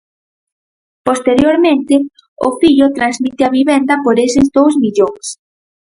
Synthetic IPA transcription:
post̪eɾjoɾmẽnt̪ɪ | ʊ̰fiʎʊt̪ɾanzmit̪ɪɐβiβend̪ɐpoɾesɪzðowzmiʎoŋs

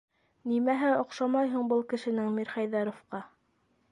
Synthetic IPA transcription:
nimæɦɘŏqʃɑmɑjɦuɴbɤlˠkɘ̆ʃɘ̆nɘŋmiɾχɑjðɑɾŏfqɑ

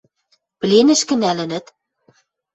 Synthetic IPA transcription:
plenɘ̆ʃkɘ̆nælɘ̆nɘ̆t̪

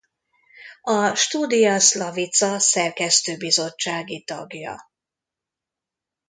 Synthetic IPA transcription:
ɒʃt̪uːd̪ijɒslɒvit̪sɒsɛrkɛst̪øːbizo̞t͡ʃːaːɡit̪ɒ̰ɡjɒ̰

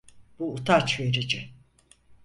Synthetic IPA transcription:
b̥uːt̪ʰat͡ʃve̞ɾid͡ʒɪ

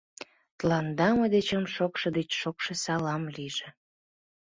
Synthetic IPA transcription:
t̪lɑnd̪ɑməd̪et͡ɕəmʃokʃɤd̪et͡ɕʃokʃesɑlɑmliʒĕ

